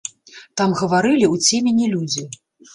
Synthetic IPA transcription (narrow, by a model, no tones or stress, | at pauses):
t̪amɣɐvaɾɨlʲiut͡sʲemʲenʲːilʲud͡zʲi